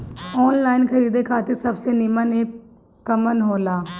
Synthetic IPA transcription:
ɔːnlaːinkʰəɾiːd̪eːkʰaːt̪ɪɾsəbseːnɪməneː | kəmənɦoːlaː

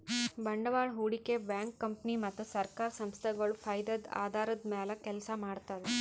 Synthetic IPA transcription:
bɐɳɖɐʋaːɳɦuːɽikebjaːŋkːɐmpnimɐt̪ːusɐɾkaːɾɐsɐmst̪ʰɐɡɐɭupʰɐjd̪ɐd̪a̰ːd̪ʱaːɾɐd̪mɛːlɐkɛlɐsɐmaːɽt̪ad̪e

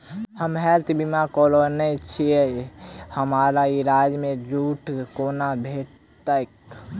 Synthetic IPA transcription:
həmɦɛt̪bimakolonət͡ʃʰiehəmaɾaiɾad͡ʒmed͡ʒuʈkonabʱeʈ | t̪ək

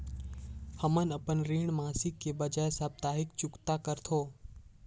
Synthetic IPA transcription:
həmənəpənɾiːɳmaːsɪkːebəd͡ʒajsab̚t̪aːɦɪkt͡ʃʊkt̪akəɾt̪ʰoː

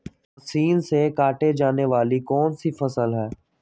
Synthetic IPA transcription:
siːnsekaːʈed͡ʒaːneʋaːlikɔːnsifəsəlɦɛː

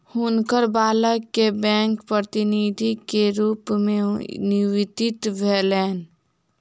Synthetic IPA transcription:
hʊnkəɾbaːləkːebɛ̃ːŋkpɾət̪ɪnid̪ʱikeɾuːpmẽnɪʋɪd̪ɪt̪bʱeleːn

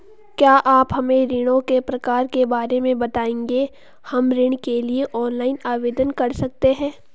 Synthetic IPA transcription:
kjaːʔaːpɦɐmẽɾɪɽ̃õkepɾɐkaːɾkebaːɾemẽbɐt̪aːẽːŋɡe | hɐmɾɪɳ̃kelieʔɔːnlaːɪnaːʋeːd̪ənkɐɾsɐk̚t̪eɦɛ̃ː

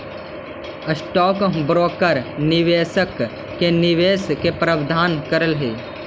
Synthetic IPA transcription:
əsʈɔːkbɾoːkəɾnɪʋeːsəkː | enɪʋeːskepɾɐʋd̪ʱaːnkɐɾəlɦeː

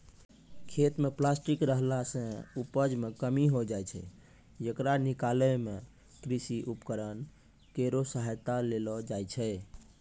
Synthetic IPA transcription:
kʰet̪meplasʈikɾəɦlasə̃upəd͡ʒmekəmiɦod͡ʒajt͡ʃʰɛ̰ | jekɾanikaləme | kɾisiʔupkəɾən | keɾosəɦajt̪alelɔd͡ʒajt͡ʃʰɛ

